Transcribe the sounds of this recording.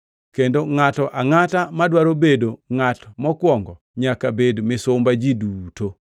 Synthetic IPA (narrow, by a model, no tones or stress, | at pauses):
kendoŋatɔʔaŋatamadwaɾobedoŋatmɔkwɔŋɡɔ | ɲakabedmɪsʊmbad͡ʒiduto